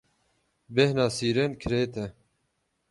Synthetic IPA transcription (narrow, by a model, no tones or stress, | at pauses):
behnɑːsiːɾeːnkʰɾeːt̪ʰɛ